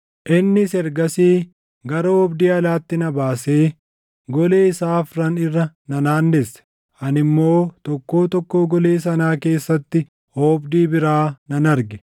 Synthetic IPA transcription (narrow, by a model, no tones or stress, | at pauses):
ʔɪnːɪsɛɾɡɐsiː | ɡɐɾoːɔbd̪iːɐlaːt̪ːɪnɐbaːse̞ː | ɡɔleːɪsaːfɾɐnɪrːɐnɐnaːnːɛsːɛ̥ | ɐnɪmːo̞ːt̪ɔkːo̞ːt̪ɔkːo̞ːɡɔleːs̬ɐnaːke̞ːsːɐt̪ːɪ | hoːbd̪iːbɪɾaːnɐnɐɾɡɛ